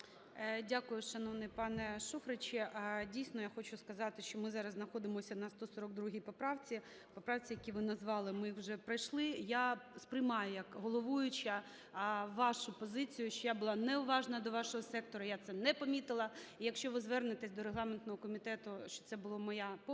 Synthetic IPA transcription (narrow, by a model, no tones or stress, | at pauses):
dʲakʊjʊʃɐnɔʋnɛpɑnɛʃufɾɪt͡ʃɪʔdʲijsʲnɔjaxɔt͡ʃʊskɐzɑt̪ɪʃt͡ʃɔmɪzɑɾɐznɐxɔd̪ɪmɔsʲɐnɐst̪ɔsɔɾɔɡ̚d̪ɾuɦʲipɔpɾɑwt͡sʲi | pɔpɾɑwt͡sʲijɐkʲiʋɪnɐzʋɑlˠɪmɪwʒɛpɾɐjʃlˠɪjaspɾɪjmɑjʊjɐkɦɔlˠɔʋujʊt͡ʃɐ | ʋɑʃʊpɔzɪt͡sʲijʊʃt͡ʃɔjabʊlˠɑnɛʊʋɑʒnɐd̪ɔʋɑʃɔɦɔsɛk̚t̪ɔɾɐjat̪sɛnɛpɔmʲit̪ɪlˠɐijɐkʃt͡ʃɔʋɪzʋɛrnɪt̪ɪsʲd̪ɔɾeɦlˠɑment̪nɔɦɔkɔmʲit̪ɛt̪ʊʃt͡ʃɔ̥t̪sɛbʊlˠɔmɔjap